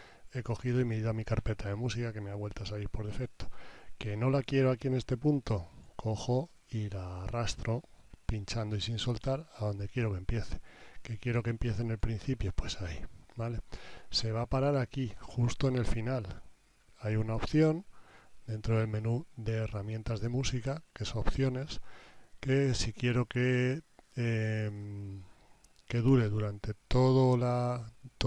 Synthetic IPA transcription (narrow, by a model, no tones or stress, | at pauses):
e̞ko̞xið̞o̞imeðiðamikaɾpe̞t̪aðe̞musikake̞me̞aβwe̞lt̪asaliɾpo̞ɾðe̞fe̞k̚t̪o̞ke̞no̞lakje̞ɾo̞akiene̞st̪e̞punt̪o̞kʰo̞xo̞ | ilarast̪ɾo̞ | pint͡ʃand̪o̞isinso̞lt̪aɾaðo̞nd̪e̞kje̞ɾo̞ke̞mpje̞θe̞̥ke̞kje̞ɾo̞ke̞mpje̞θene̞lpɾin̟θipjo̞pwe̞sajbalese̞β̞apaɾaɾakixust̪o̞ene̞lfinal | ajunao̞pθjo̞nd̪e̞nt̪ɾo̞ðe̞lmẽ̞nuðe̞ːramje̞nt̪azð̞e̞musikake̞soopθjo̞ne̞ske̞sikje̞ɾo̞ke | em | ke̞ðuɾe̞ðuɾant̪e̞t̪o̞ðolat̪